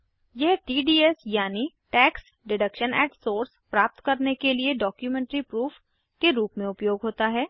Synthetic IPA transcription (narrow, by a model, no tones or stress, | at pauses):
jɛɦʈiːɖiːɛsjaːni | ʈɛːks | ɖɪɖəkʃənɛːʈsoːɾspɾaːp̚t̪kɐɾnekelieɖɔːkjumɛ̃ːɳʈɾipɾuːf | keɾuːpmẽʊpjoːɡɦoːt̪aɦɛː